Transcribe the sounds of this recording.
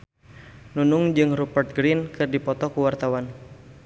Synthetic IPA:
nunʊŋd͡ʒɨŋrupərt̪̚ɡɾinkɨrdipɔt̪ɔkuwart̪awan

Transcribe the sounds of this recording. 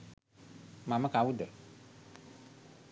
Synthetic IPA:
mãmə̃kawud̪ə

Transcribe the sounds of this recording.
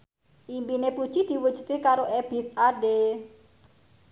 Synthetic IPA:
ʔimpinepud̥ʒ̥id̪̥i̤wu̥ʒ̥ṳ̥t̪ekaɾoʔeb̥isaɖe

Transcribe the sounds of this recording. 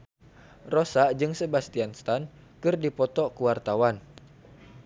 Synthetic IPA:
rɔsaʔd͡ʒɨŋsəbast̪ianst̪an | kɨrdipɔt̪ɔkuwart̪awan

